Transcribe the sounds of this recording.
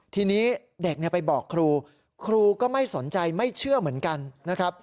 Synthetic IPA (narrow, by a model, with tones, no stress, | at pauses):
t̪ʰiː˧niː˦˥ | de˨˩k̚ni˥˩əpa˧jbɔː˨˩kʰːɾuː˧ | kʰɾuː˧kɔː˥˩ma˥˩jso˩˦nt͡ɕa˧jma˥˩jt͡ɕʰɯ˥˩əmɯ˩˦ənka˧nːa˦˥kʰɾa˦˥p̚